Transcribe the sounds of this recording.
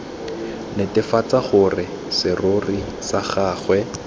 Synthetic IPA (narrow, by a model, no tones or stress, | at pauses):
nɪtɪfat͡saχʊrɪ | sɪrori | saχaːχwɛ